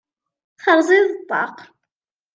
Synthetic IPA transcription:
θəʁziðˤbːɑ̰q

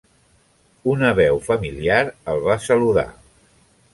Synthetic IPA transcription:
unəβɛwfəmiliaɾəlˠβasəluða̰

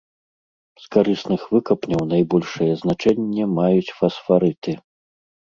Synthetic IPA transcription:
skaɾɨsnɨxvɨkɐpnʲɐwnajbɔlʲʂɐjɛznat͡ʂɛnʲːɛmajut͡sʲfɐsfaɾɨt̪ɨ

